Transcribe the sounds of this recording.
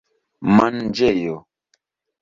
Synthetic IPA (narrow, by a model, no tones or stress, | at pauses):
mannd͡ʒɛjɔ